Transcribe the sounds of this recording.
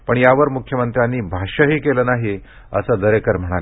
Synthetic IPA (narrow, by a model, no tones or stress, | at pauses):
pəɳjaʋəɾmukʰjəmənt̪ɾjanːiːbʱaɕəɦiːkeləːnaɦi | ə̰səːd̪əɾekəɾm̤əɽ̃ale